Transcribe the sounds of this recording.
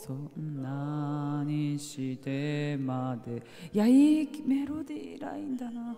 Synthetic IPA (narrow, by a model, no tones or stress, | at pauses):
sonːaɲiɕid̪emad̪e | jaimeɾod̪iɾa̰ĩnd̪ana